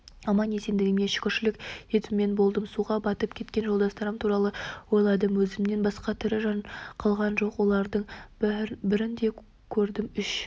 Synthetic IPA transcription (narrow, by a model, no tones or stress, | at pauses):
ɑmɑnese̞nd̪ɪɡʲɪme̞ʃɪ̥kʲʰʏɾʃɪlɪkʲje̞t̪ɪmːe̞nbo̞lˠd̪əmsuʁɑbɑt̪əp̚kʲʰe̞t̪kʲe̞nʒo̞lˠd̪ɑst̪ɑɾəmt̪ʰuɾɑlˠəwo̞jlˠɑd̪əmwɵzɪmne̞nbɑsqɑt̪ʰʏɾɪʒɑnqʰɑlˠʁɑnʒo̞qwo̞lˠɑɾd̪əɴ | bɪɾɪnd̪e̞ | kʲʰɵɾd̪ɪmʏʃ